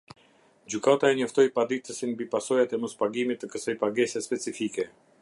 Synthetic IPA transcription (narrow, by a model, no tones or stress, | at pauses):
d͡ʑykat̪aɛɲəft̪ɔjpad̪it̪əsinmbipasɔjat̪ɛmɔspaɡimit̪ːəkəsajpaɡɛsɛspɛt͡sifikɛ